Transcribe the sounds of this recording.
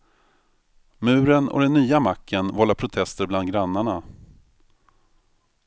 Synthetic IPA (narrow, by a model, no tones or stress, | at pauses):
mʉ̟ːɾənɔ̰d̪ɛnːyːamakʰːənvɔlːapʰɾʊt̪ʰɛst̪əɾbland̪̚ɡɾanːaɳa